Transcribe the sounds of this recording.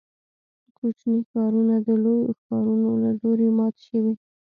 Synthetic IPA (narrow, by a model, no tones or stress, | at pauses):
əkot͡ʃnixɑɾunad̪əlojoxɑɾunolaloɾemɑt̪e̥ʃəwi